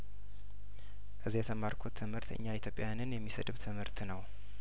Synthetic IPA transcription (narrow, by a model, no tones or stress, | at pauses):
ʔɨzːijɛt̪ʰəmːaɾkʰot̪ʰːɨmhɨɾt̪ɨ̰ɲːait̪jo̞pʼːjajanɨnjɛmːisə̰dɨβt̪ʰɨmhɨɾt̪nəw